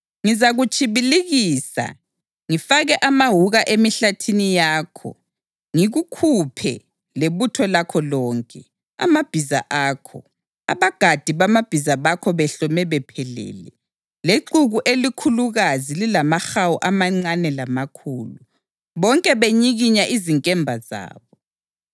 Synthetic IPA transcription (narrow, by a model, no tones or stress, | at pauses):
ŋizaɣut͡ʃʼiβiliɣiːsa̰ | ŋifaɣɛʔamaɦuɣaʔemiɬatʰinijaːkʰɔ̰ | ŋiɣukʰupʰɛ | leβutʰɔlakʰɔlɔːŋkʼɛ | a̰mab̥ʱiza̰ʔaːkʰɔ̰ | a̰βaɡ̥ʱad̥ʱiβamab̥ʱizaβakʰɔβɛɬɔmɛβɛpʰɛlɛ̰ːlɛ | leǃuɣuʔelikʰuluɣazililamaxawuʔamaŋ͡ǀanɛlamakʰuːlu | βɔŋkʼɛβeɲiɣiɲaʔiziŋkʼɛmbʱaza̰ːβɔ